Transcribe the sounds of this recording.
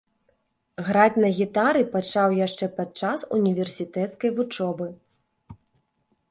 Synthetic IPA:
ɣɾat͡sʲnɐɣʲit̪aɾɨpat͡ʂawjaʂt͡ʂɛpat̪̚t͡ʂasunʲivʲɛrsʲit̪ɛt̪skɐjvut͡ʂɔbɨ

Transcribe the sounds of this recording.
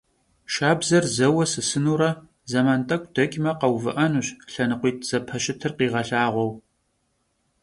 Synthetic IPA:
ʃaːbzɐrzɐwɐsɨsɨnuːɾɐ | zɐmaːntʼɐkʷʼd̥ɐkʲʼmɐqɐwvɨ̰ʔɐnuːɕɬɐnɨqʷiːtʰz̥ɐpʰɐʃɪtʰɨrqiːʁɐɬaːʁʷɔw

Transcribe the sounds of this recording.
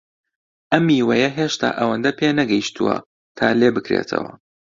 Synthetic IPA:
ʔɐmːiːwɐjɐɦeːʃt̪ʰa̰ːʔɐwɐnd̪ɐpʰeːnɐɡɐjiʃt̪ʰuwɐ̰ | t̪ʰaːleːbɨkɾḛːt̪ʰɐ̰wɐ̰

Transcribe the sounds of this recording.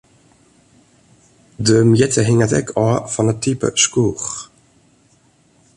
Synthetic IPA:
døːmjɛtəɦɪŋatɛ̰kʰɔːfɔnət̪ʰypə̰ʃkuːχ

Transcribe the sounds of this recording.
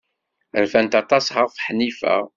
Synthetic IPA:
əɾfænt̪ɑt̪ˤɑshəʁfħnifæ̰

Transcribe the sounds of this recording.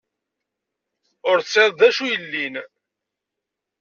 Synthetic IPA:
ʊɾθseðˤðæʃujəlːin

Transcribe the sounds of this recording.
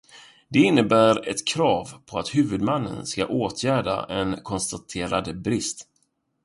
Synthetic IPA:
d̪ɛɪnːəbæːɾɛt̪kʰɾɑːvpʰɔat̪hʉ̟ːvɵd̪manːə̰nska̰ʔoːt̪ʰjæːɖa̰ʔɛnkʰɔnst̪at̪ʰeːɾad̪əbɾɪst̪

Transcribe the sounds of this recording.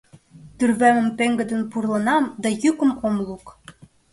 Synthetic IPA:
t̪yrβæmɘ̆mpeŋɡɘ̆d̪ɘ̆npurlˠɤ̆nɑmd̪æjykə̆momlˠuk

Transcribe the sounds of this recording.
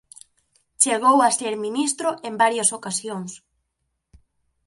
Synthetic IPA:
t͡ʃeɣ̞owaseɾminist̪ɾoʔembaɾjɐsokasjoŋs

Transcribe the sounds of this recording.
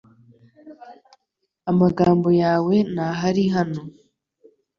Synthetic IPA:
amaɡaːmbo̞jaːwe̞naɦaɾiɦano

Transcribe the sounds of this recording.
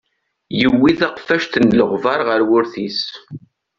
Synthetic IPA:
jəwːiðɑqfæʃt̪ənləʁvɑɾʁəɾwʊɾθis

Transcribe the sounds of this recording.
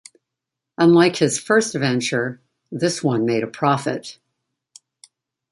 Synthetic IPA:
ə̃nlaɪkhɨz̥fɜ˞stəvɛ̃nt͡ʃə˞ | ðɪswʌ̃nmeɪɾɨpʰɹ̥ɑfɨ̰t̚

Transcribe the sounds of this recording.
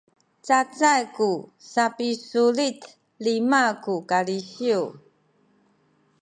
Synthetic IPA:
t͡sat͡sajkusapisulit | limakukaliɕiu

